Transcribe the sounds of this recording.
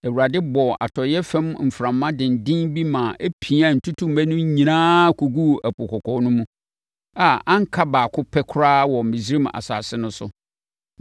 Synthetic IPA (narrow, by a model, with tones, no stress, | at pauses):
æ˨wu˨ɾa˨dɪ˦bɔ˨ʔa̰˨tʰɔ˨jɛ˦fɛ̃˦mm̩˨fɾã˨mːã˦dɪ̃˨n̩˨dɪ̃˦nbi˦mãː˨ʔe˦pʰi˨a˨n̩˨tʰʊ˦tʰũ˦m˨ɛ˦nʊ̃˦ɲĩ˨nãː˦kʰu˨ɡu˦æ˨pʊ˨kʰɔ˨kʰɔ˨˦nʊ̃˦mũ˦ | a˨ã˦ŋ̩˦kʰa˦baː˨kʰʊ̃˦pʰɛ˦kʰʊ˦ɾaː˦wɔ˨m̩˨mɪ̃˨si˦ɾi˦ma̰˨sa̰ː˨sɪ˦nʊ̃˦sʊ̰˨